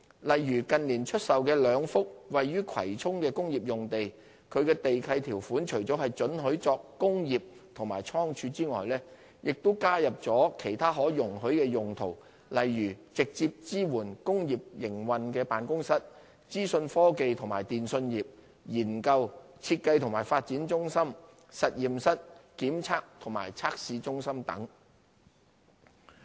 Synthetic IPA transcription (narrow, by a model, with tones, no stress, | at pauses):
lɐ˨jɥyː˨˩kɐ˨nliː˨˩nt͡ʃʰɵ˥t̚sɐ˨wkɛː˧lœː˨˧ŋfʊ˥k̚wɐ˨jːyː˥kʰɐ̰˨˩jt͡sʰʊ˥ŋkɛː˧kʊ˥ŋjiː˨˩p̚jʊ˨ŋt̪e˨j | kʰɵ˨˧ɥkɛː˧t̪e˨jkʰɐ˧jt̪ʰiː˨˩wfuː˨˥nt͡ʃʰɵ˨˩ɥt͡sɔː˨˥ɦɐ˨jt͡sɵ˨˥nɦɵ˨˥ɥt͡sɔː˧kːʊ˥ŋjiː˨p̚t̪ʰʊ˨˩ŋmaː˨˩jt͡sʰɔː˥ŋt͡ʃʰyː˧t͡siː˥ŋɔ̰ː˨jlɛː˥ | jɪ˨k̚t̪o˥kaː˥jɐ˨p̚t͡sɔː˨˥kʰe˨˩jt̪ʰaː˥ɦɔː˨˥jʊ˨˩ŋɦɵ˨˥ɥkɛː˧jʊ˨ŋt̪ʰo˨˩w | lɐ˨jɥyː˨˩t͡sɪ˨k̚t͡siː˧p̚t͡siː˥wuː˨˩nkʊ˥ŋjiː˨p̚jɪ˨˩ŋwɐ˨nkɛː˧paː˨nkʊ˥ŋsɐ˥t̚ | t͡siː˥sɵ˧nfɔː˥ke˧jt̪ʰʊ˨˩ŋmaː˨˩jt̪iː˨nsɵ˧njiː˨p̚ | jiː˨˩nkɐ˧w | t͡sʰiː˧t̚kɐ˧jt̪ʰʊ˨˩ŋmaː˨˩jfaː˧t̚t͡siː˨˥nt͡sʊ˥ŋsɐ˥m | sɐ˨t̚jiː˨msɐ˥t̚kiː˨˥mt͡sʰaː˥k̚t̪ʰʊ˨˩ŋma̰ː˨˩jt͡sʰaː˥k̚siː˧t͡sʊ˥ŋsɐ˥mt̪ɐ̰˨˥ŋ